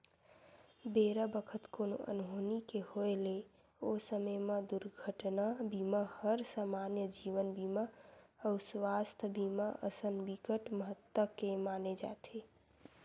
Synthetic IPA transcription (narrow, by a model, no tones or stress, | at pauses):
beɾəbəkʰət̪kono̰ʔə̰nɦonikehoele | osəməjmed̪uɾɡʱəʈnabʱiməhəɾsaːmanjəd͡ʒiʋənbʱiməəsʋast̪ʰbʱiməʔə̰sənbikəʈməɦət̪wəkemaned͡ʒa̰t̪ʰe